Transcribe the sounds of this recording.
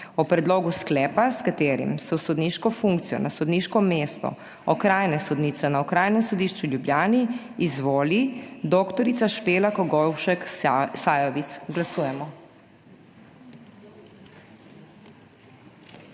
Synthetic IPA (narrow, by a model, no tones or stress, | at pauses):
ɔpɾɛd̪loːɡusklɛːpaskat̪eːɾḭmsɛwsɔd̪niʃkɔfuŋk̚t̪sijɔ̰nasɔd̪niʃkɔmeːst̪ɔ̰ | ɔkɾaːjnɛsɔd̪niːt̪sɛnaɔkɾaːjnɛmsɔd̪iːʃt͡ʃuljubljaːniː | zʋoːlid̪okt̪ɔɾit̪saʃpeːlakɔɡɔwʃɛksaːjɔʋit̪sɡlasuːjɛmɔ